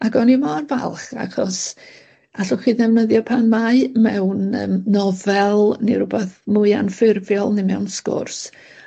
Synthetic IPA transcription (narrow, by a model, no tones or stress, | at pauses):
aɡɔnimɔrvɛ̰lˠχa̰χɔ̰s | aɬʊχiːðɛvnəðjɔpʰanmaɨmɛwnəːmːɔvɛlˠniɾʊbɛθmʊɨa̰nfɪrvjɔlˠnɪmɛwnskʊ̰rs